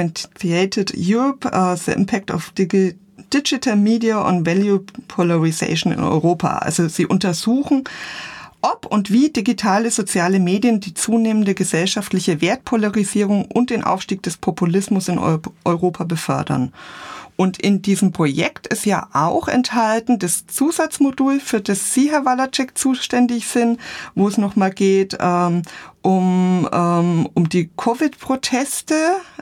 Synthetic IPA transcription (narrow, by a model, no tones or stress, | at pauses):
nieɪtʰɪdjuːʁɔpːzə̰ʔɪ̰mpʰɛk̚ta̰f | d̥ɪd͡ʒɪtʰəlmiːdiaʔʊ̰ntvɛljupʰolaʁizḛɪʃn̩ɪ̰nɔ̰ʏʁoːpʰa̰ʔa̰lzoziːʔʊntɐzuːxn̩ | ʔɔpʊntv̥iːdiɡitʰaːləzot͡sjaːləmeːdjəndiːt͡suːneːməndəɡəzɛlʃaftlɪçəveːɐt̚pʰolaʁiziːʁ̞ʊŋʔʊnt̚d̥eːnʔa̰ʊfʃtiːk̚d̥ɛspʰopʰulɪsmʊsɪnʔɔʏʁoːpʰabəfœɐdɐ̰nʔʊntʰɪndiːzəmpʁ̥ojɛktɪsjaːʔaʊxɛ̰nthaltn̩dast͡suːzat͡smoduːlfyːɐdasz̥iːɦɛɐvalat͡ʃɛkt͡suːʃtɛndɪçz̥ɪntvoːɛsnɔχmaːlɡeːtʔɛːmʔʊmɛːmʊmdiːkʰovɪtpʁ̥otʰɛstə